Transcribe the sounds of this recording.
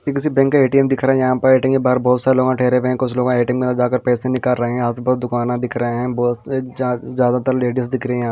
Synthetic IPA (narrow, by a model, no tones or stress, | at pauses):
kĩkɪsibɛ̃ːŋkːeeːʈiɛmd̪ɪkʰɾaɦɛ̃jɐɦãpɐɾeːʈɪ̃ŋɡebaːɦɾbɔːt̪saːɾeloːɡãʈʰɛːɦɾeʋeɦɛ̃kʊt͡ʃʰloːɡãeːʈɪ̃ŋɡmẽt̪d͡ʒaːkəɾpɛːsenɪ̃kalɾɐɦẽɦɛ̃ɦaːt̪bɐɾd̪ʊkaːnãd̪ɪkʰɾɐɦeɦɛ̃ːbɔːt̪se | zjaːd̪at̪ɐɾleːɖəs̬d̪ɪkʰɾɐɦẽjɦãː